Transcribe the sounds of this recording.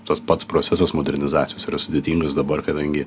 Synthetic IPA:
t̪ɐspɐt̪spɾoːt͡s̪ʲɛsɐsmoːd̪ʲɛɾʲnʲɪzɑːt̪ʲɪjoːsiɾɐsʊd̪ʲeːt̪ʲiːŋɡɐsd̪ɐbɐrkɐd̪ɐŋʲɡʲɪ

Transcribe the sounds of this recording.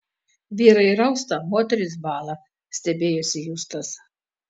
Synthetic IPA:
ʋʲiːɾɐiɾɐʊst̪ɐmoːt̪ʲɛɾʲɪs̬bɑːlˠɐ | sʲt̪ʲɛbʲeːjusʲɪjust̪ɐs

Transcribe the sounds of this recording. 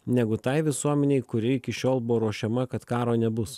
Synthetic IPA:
nʲɛɡʊt̪ɐɪʋʲɪsuɔmʲɛnʲɛɪkʊɾʲɪɪkʲɪʃʲoːlˠbʊʋoːɾuɔʃʲɛmɐkɐt̪kɑːɾoːnʲɛbʊs

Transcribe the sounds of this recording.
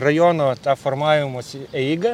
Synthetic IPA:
rɐjonot̪ɑfɔrmɑːʋʲɪmosʲɪɛɡɐ

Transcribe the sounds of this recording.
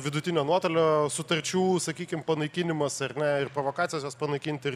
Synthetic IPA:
ʋʲɪd̪ʊt̪ʲɪnʲoːnuɔt̪oːlʲoːsʊt̪ɐɾʲt͡ʃʲuːsɐkʲiːkʲɪmpɐnɐɪkʲinʲɪmɐsɐɾnʲɛɪrpɾoːʋoːkɑːt̪ʲɪjosjoːspɐnɐɪkʲinʲt̪ʲɪ

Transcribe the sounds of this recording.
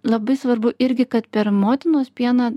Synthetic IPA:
lˠɐbɐɪsʋɐɾbʊʔɪɾʲɡʲɪkɐt̪pʲɛɾmoːt̪ʲɪnoːspʲiɛnɑ

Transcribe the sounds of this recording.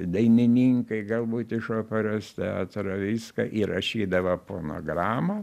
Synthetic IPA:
d̪ɐɪnʲɪnʲiːŋkɐɪɡɐlˠbuːt̪ɪʃoːpʲɛɾoːst̪ʲɛaːt̪ɾɐʋʲiːskɐʔiɾɐʃʲiːd̪ɐʋɐpoːno̰ːɡɾɑːmɐ

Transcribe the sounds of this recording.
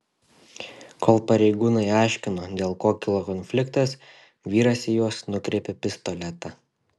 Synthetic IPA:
koːlˠpɐɾʲɛɪɡuːnɐɪɑˑɪʃʲkʲɪnoːd̪ʲeːlˠkoːkʲɪlˠoːkɔnʲfʲlʲɪkt̪ɐs | ʋʲiːɾɐsʲɪjuɔsnʊkɾʲɛːpʲɪpʲɪst̪ɔlʲɛt̪ɐ

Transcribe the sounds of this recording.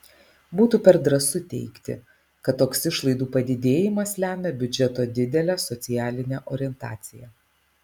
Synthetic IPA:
buːt̪uːpʲɛɾd̪ɾɐsʊt̪ʲɛ̰ɪkt̪ʲɪ̰ | kɐt̪ːoːksɪʃlˠɐɪd̪uːpɐd̪ʲɪd̪ʲeːjɪmɐslʲæːmʲɛbʲʊd͡ʒʲɛt̪oːd̪ʲɪd̪ʲɛlʲæːsɔt̪sʲɪjæːlʲɪnʲɛʔoːɾʲɪɛnt̪ɑ̰ːt̪sʲɪjɛ

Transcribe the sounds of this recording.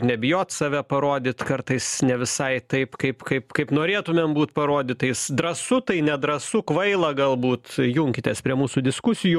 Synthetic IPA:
nʲɛbʲɪjoːt̪sɐʋʲɛpɐɾoːd̪ʲɪt̪kɐrt̪ɐɪsnʲɛʋʲɪsɐɪt̪ɐɪpkɐɪpkɐɪpkɐɪpnoːɾʲeːt̪ʊmʲembuːt̪pɐɾoːd̪ʲɪt̪ɐɪsd̪ɾɐsʊt̪ɐɪnʲɛd̪ɾɐsʊkʋɐɪlˠɐɡɐlˠbuːt̪jʊŋʲkʲɪt̪ʲeːspʲɾʲiɛmuːsud̪ʲɪskʊsʲɪjuː

